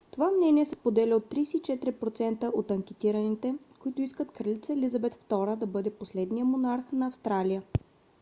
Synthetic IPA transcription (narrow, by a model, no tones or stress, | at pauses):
t̪ovamnɛnʲiɛsɛ̥spod̪ɛlʲɛot̪ːɾisit͡ʃɛt̪ɾʲipɾot̪sɛnt̪əʔot̪ɐŋkɛt̪iɾənit̪ɛ | koit̪ʊiskət̪kɾɐlit̪səɛlʲizɐbɛt̪ft̪ɔɾəd̪ɐbɤd̪ɛposlɛd̪nijəmonaɾxnɐːfst̪ɾalijə